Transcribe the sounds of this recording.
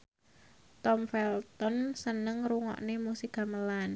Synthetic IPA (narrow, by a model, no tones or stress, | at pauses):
t̪ɔmfɛlt̪ɔnsənəŋruŋɔ̰ʔnemusiɡ̥a̤məlan